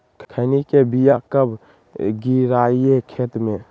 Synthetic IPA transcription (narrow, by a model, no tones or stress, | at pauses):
kkʰəɪnikebijakəb | ɡiɾaːiekʰeːt̪mẽ